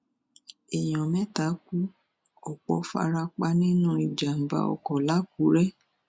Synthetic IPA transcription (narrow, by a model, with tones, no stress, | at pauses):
e˨j̃ɔ̃˨mɛ̃˦ta˨˦ku˦ | ɔ˨k͡pɔ̰˨˦fa̰˧ɾa˧k͡pa˧nĩ˦nũ˦i˨d͡ʒa˨m̩˨ba̰˨ɔ̰˨kɔ˨la˦ku˨˦ɾɛ˦